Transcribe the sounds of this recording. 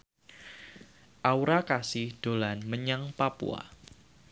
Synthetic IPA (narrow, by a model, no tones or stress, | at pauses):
ʔauɾakasɪhd̥olanməɲaŋpapṵa̰